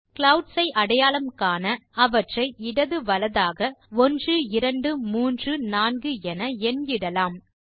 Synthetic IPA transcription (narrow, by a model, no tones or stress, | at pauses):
kɭɐʊɖsɐɪʔɐɽɐjaːlɐmkaːnɐɐʋɐʈrɐɪɪɽɐðɯʋɐlɐðaːɣɐɔndrɯɪɾɐɳɖɯmuːndrɯnaːnɡɯɛnɐɛnɡɪɽɐlaːm